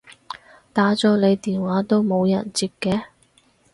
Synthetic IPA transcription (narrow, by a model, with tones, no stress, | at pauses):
t̪aː˨˥t͡sɔː˨˥le˨˧jt̪iː˨nwaː˨˥t̪o˥wmo˨˧wjɐ̰˨˩nt͡siː˧t̚kɛː˧